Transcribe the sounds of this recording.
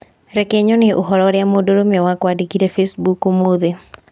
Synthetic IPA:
ɾɛkeɲonɪʔoɦɔɾɔɾjamodoɾomewakwadikiɾefesbukomoðe

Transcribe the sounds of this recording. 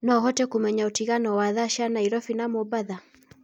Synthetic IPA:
naɦɔtɛkumɛɲautiɣanɔwaðaʃanaiɾɔfinamɔbaða

